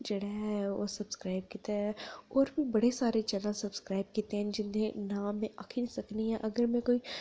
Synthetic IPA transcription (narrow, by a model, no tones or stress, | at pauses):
d͡ʒɐɽaɦɦɛo̰ːsɐbskɾaːɪb̚kiːt̪eɦɛ̃ɔːɾbʱibɐɽesaːɾet͡ʃɛːnəlsɐbskɾaːɪb̚kiːt̪eɦɛ̃d͡ʒɪnẽnaːmːẽʔakʰinĩsɐkniɦɛ̃ʔɐɡəɾmẽkoːi